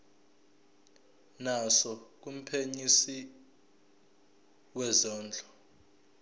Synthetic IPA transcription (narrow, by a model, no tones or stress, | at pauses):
nasɔk̬um̩pʰeɲisi | wɛzɔːnd͡ɮʱɔ̥